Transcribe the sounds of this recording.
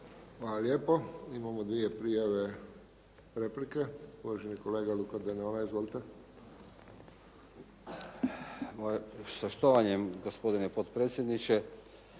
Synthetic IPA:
xʋaːlaljeːpoimamod̪ʋie̞pɾijaʋe̞ | ɾe̞plike̞uʋaʒeniko̞le̞ːɡalukad̪enolaizʋolit̪e | osaʃt̪oʋaɲemɡospod̪inepot̪pɾeːt̪sjed̪nit͡ʃe

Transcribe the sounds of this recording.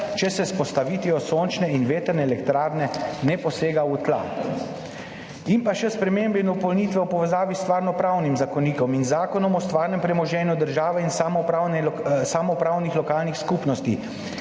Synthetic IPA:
t͡ʃɛsɛspɔst̪aʋit̪ʋiɔsont͡ʃnɛinʋeːt̪əɾnɛːlɛkt̪ɾaːɾnɛnɛpɔseːɡaut̪la̰ | impaʃɛspɾɛmeːmbɛind̪ɔpɔlniːt̪ʋɛɔpɔʋɛzaːʋist̪ʋaːɾnɔpɾawnimzakɔniːkɔminzaːkɔnɔmɔst̪ʋaːɾnɛmpɾɛmɔʒɛːnjud̪əɾʒaːʋɛin | samɔpɾaːwnixlɔkaːlnixskuːpnɔst̪i

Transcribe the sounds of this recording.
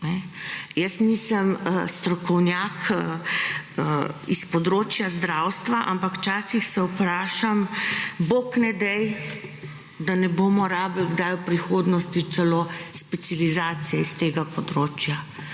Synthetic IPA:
nɛjəsnisəməst̪ɾɔkɔwnjaːk | əispɔd̪ɾoːt͡ʃjazd̪ɾawst̪ʋaʔa̰mpakwt͡ʃaːsixsɛupɾaːʃamboknɛd̪ɛj | d̪anɛboːmɔɾaːbəlɡd̪ajwpɾixoːd̪nɔst̪iɛlospɛt̪sjalizaːt̪sijɛist̪eːɡapɔd̪ɾoːt͡ʃja

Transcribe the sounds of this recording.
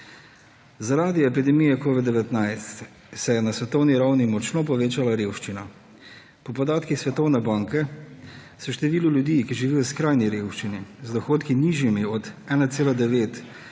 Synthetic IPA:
zaɾaːd̪iɛpid̪ɛmijɛkoːʋid̪̚d̪ɛʋɛt̪najst̪ | sɛjɛnasʋɛt̪ɔwniɾawnimɔt͡ʃnopɔʋeːt͡ʃalaɾeːwʃt͡ʃina | pɔpɔd̪aːt̪kixsʋɛt̪ɔwnɛbaːŋkɛ | sɔʃt̪ɛʋiːluljud̪iːkiʒiʋiːjɔskɾajniɾewʃt͡ʃinizd̪ɔxoːt̪kiniːʒjimiɔd̪ɛːnat̪seːlad̪ɛʋeːt̪

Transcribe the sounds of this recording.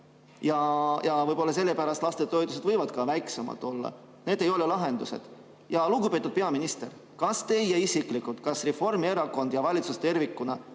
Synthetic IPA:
jɑjɑvɤjb̥olːɑs̬e̞lːe̞pæɾɑst̪lɑst̪et̪ːo̞jd̪use̞d̪vɤjvɑd̪̥kɑvæjksemɑ̰t̪ːˑo̞lːɑ̰ | ne̞ːd̪e̞jo̞lelɑɦe̞nd̪use̞̰d̪̥ | jɑlukupe̞ːt̪ːˑud̪̥̚peɑminist̪e̞r | kɑst̪ejeisikˑlikult̪̚kɑsre̞fo̞rmie̞ɾɑko̞nd̪̥jɑvɑlʲit̪sust̪e̞rvikːˑunɑ

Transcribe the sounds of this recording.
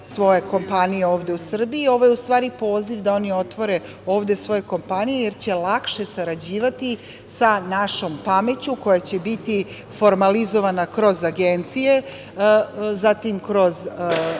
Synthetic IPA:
sʋo̞je̞ko̞mpanije̞o̞ːʋd̪e̞usr̩biio̞ʋojeust̪ʋaːɾipo̞ːziʋd̪ao̞nio̞t̪ʋo̞ɾe̞ | o̞ːʋd̪e̞sʋo̞je̞ko̞mpanije̞jeɾt͡ɕe̞lˠakʃe̞saɾad͡ʑiːʋat̪i | sanaʃo̞mpame̞t͡ɕuko̞jat͡ɕe̞bit̪i | fo̞ɾmalizo̞ʋanakɾo̞zaɡent̪sije̞ | zat̪imkɾo̞z

